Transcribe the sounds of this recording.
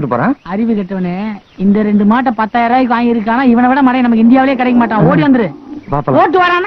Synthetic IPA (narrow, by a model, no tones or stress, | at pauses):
ʈːɯpo̰ːɾẽːɐɾɪʋɯkɐʈːɯʋɐneːɪnd̪ɐɾɛɳɖɯmaːʈːɐ̃pɐt̪ːaːjɐɾaːjɪk̬ːɯaːjɪɾɯk̬ːaːnaːɪʋɐnɐʋɪɽɐmɐɽɐ̃jnɐmɐkːɪnd̪ɪjaːʋɪlɐjeːkɐɽɐɪkːɡɐmaːʈːãːoːɽiʋɐnd̪ɯɾɯpaːfɐoːʈːɯʋɐɾaːna